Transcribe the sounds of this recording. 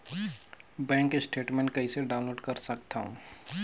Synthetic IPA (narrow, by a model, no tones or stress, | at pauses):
bɛ̃ːŋkesʈeːʈmẽːɳʈ̚kɐiseɖaːʊ̃nloːɖkəɾsɐkt̪aːɦṵ̃